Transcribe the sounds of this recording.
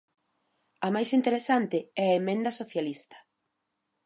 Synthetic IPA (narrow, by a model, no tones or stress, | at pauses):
ɐmajsint̪eɾesant̪ɪɛaemẽnd̪ɐsoθjalist̪ɐ̥